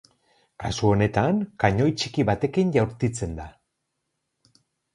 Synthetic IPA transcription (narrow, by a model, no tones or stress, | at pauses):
kasuo̞ne̞t̪aŋkaɲo̞jt͡ʃikiβat̪e̞kinʝawɾt̪it͡se̞nd̪a